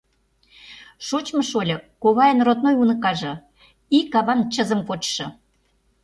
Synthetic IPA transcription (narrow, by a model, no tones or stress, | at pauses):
ʃot͡ɕmə̆ʃolʲɤ̆koβɑjənrot̪̚nojunɤ̆kɑʒɤ̆ | ikɑβɑnt͡ɕə̆zə̆mkot͡ɕʃɤ̆